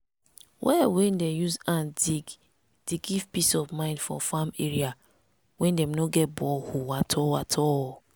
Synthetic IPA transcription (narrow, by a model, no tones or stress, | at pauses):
wʔɛwɛ̃ndejuzãndiɡ | d̥eɡivpisɔvmãɪ̃ndfɹɔ̰̃fameɹia | wɛ̃ndɛmnoɡɛt̚bɔlhuwatʰɔatʰɔ